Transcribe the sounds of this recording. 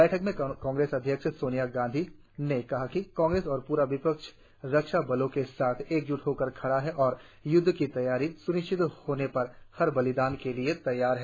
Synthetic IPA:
bɛːʈʰəkmẽkãːŋɡɾeːsɐd̪ʱjəkʃsoːnijaɡãːnd̪ʱi | nekɐɦakikãːŋɡɾeːsɔːɾpuːɾaʋɪpəkʃ | ɾɐkʃabɐlõkesaːt̪ʰeːk̚d͡ʒʊʈʰɦoːkəɾkʰɐɽaɦɛʔɔːɾ | jʊd̪ʱːkit̪ɐjaːɾisʊnɪt͡ʃɪt̪hoːnepɐɾhɐɾbɐlɪd̪aːnkeliet̪ɐjːaːɾɦɛː

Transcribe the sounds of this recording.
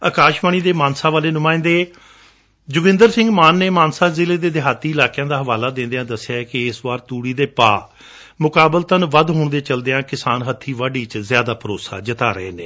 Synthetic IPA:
aːkaːʃbaːniːd̪eːmaːnsaːʋaːleːnʊmãːɪ̃nd̪eː | d͡ʒʊɡɪ̃nd̪əɾsɪ̃ŋɡmaːnːeːmaːnsaːzɪleːd̪eːd̪ɪɦaːt̪iːɪlaːkjãːd̪aːɦəʋaːlaːd̪ẽːnd̪ejãːd̪əsɪjaːɛkɪɪsʋaːɾt̪uːɽiːd̪eːpaː | mʊkaːbəlt̪ənʋəd̪ɦoːɳd̪eːt͡ʃəld̪ejãːkɪsaːnɦət̪ʰːiːʋaːɖiːt͡ʃzɪjaːd̪aːpəɾoːsa̰ːd͡ʒət̪aːɾə̰ḛːnḛː

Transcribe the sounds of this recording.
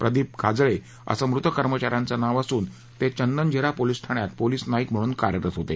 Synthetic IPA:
pɾəd̪iːp̚kʰad͡zɭe | ə̰səmɾut̪əkəɾmət͡ɕaɾjãnt͡sanaʋasuːn | t̪et͡ɕənːənd͡ʑiɾapolisʈʰaɽ̃jat̪̚poliːsnaikm̤əɽ̃uːnkaɾjəɾət̪ɦot̪e

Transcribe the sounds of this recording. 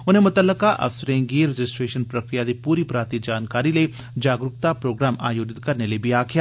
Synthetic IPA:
ʊnɦẽmʊt̪əlːəkaʔɐ̰fsəɾẽːŋɡiɾed͡ʒɪsʈɾeːʃənpɾɐkɾijad̪ipuːɾipɾaːɾt̪id͡ʒaːnkaːɾile | d͡ʒaːɡɾʊp̚t̪apɾoːɡɾaːmʔaːjoːd͡ʒɪt̪̚kɐɾnelebʱiaːkʰija

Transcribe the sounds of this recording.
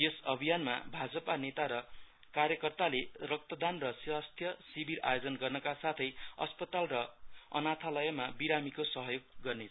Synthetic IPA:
jesʌbʱijanma̰bʱad͡zʌpanet̪aɾʌ | karjʌkʌrt̪alerʌk̚t̪ʌd̪anrʌswast̪ʰjʌsibʱiɾa̰jod͡zʌnɡʌrnʌkasat̪ʰʌjʌ̰spʌt̪alrʌʌ̰nat̪ʰalʌjʌmabiɾamikosʌɦʌjoɡ̚ːʌrneʌ

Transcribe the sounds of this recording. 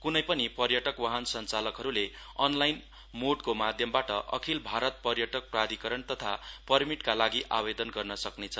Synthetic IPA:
kunʌjpʌnipʌrjʌʈʌkwaɦʌnsʌnt͡salʌkɦʌɾule | ʌnlajn | moɖkomad̪ʱjʌmbaʈʌʔʌ̰kʰilbʱaɾʌt̪̚pʌrjʌʈʌk̚prad̪ʱikʌɾʌnt̪ʌt̪ʰapʌrmiʈkalaɡiʔa̰bed̪ʌnɡʌrnʌsʌknet͡sʰʌ

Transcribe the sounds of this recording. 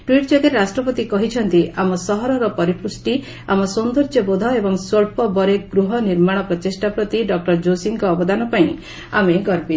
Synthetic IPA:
ʈwiʈd͡ʒɔɡeɾasʈɾɔpɔt̪ikɔɦit͡ʃʰɔnt̪iamɔsɔɦɔɾɔɾɔpɔɾipusʈi | a̰mɔsond̪oɾd͡ʒɔbod̪ʱawebɔŋsoɭpɔbɔɾekɡɾuɦɔniɾmaɽ̃ɔpɾɔt̪isʈapɾɔt̪iɖɔk̚ʈɔɾd͡ʒosiŋkɔːbɔd̪anɔpaĩ | a̰meɡɔɾpi

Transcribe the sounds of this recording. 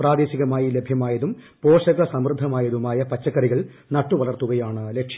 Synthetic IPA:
praːd̪e̞ːɕiɣɐmaːjile̞bʱjɐmaːjɐðum | po̞ːʂɐɣɐsɐmrɨd̪ʱːɐmaːjɐðumaːjɐpɐt͡ɕːɐkːɐriɣɐɭ | nɐʈːuʋɐɭɐrt̪uɣɐjaːɳɨlekʂi

